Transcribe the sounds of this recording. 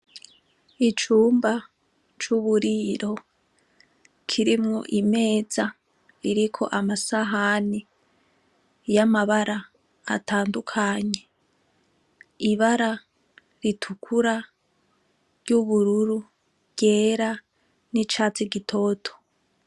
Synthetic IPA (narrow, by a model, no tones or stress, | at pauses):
it͡ʃuːmba | t͡ʃuβuɾiɾo̞ | kʰiɾimŋo̰ʔime̞ːza | iɾikʰo̞̰ʔamasaɦani | jamaβaɾa̰ː | tʰaːndukʰaɲe̞ | iβaɾa | ɾitʰukʰuɾa | ɾjuβuɾuɾu | βɟ̥e̞ːɾa | nit͡ʃaːt͡siɡitʰo̞ːtʰo̥